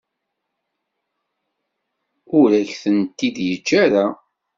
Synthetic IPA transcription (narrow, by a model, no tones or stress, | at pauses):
ʊɾæçθənt̪ːid̪jət͡ʃːaɾa